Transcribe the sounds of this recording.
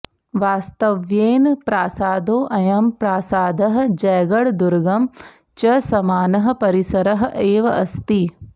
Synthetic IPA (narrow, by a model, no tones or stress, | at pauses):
ʋaːst̪ɐʋjeːnpɾaːsaːd̪oːʔɐjɐmpɾaːsaːd̪ɐɦ̆d͡ʒɐjɡɐɽd̪uɾɡɐm | t͡ʃɐsɐmaːnɐɦɐ̆pɐɾisɐɾɐɦʔeːʋɐʔɐst̪i